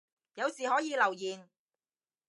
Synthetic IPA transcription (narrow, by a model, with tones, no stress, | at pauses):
jɐ˨˧wsiː˨˩hɔː˨˥jiː˨˧lɐ˨˩wjiː˨˩n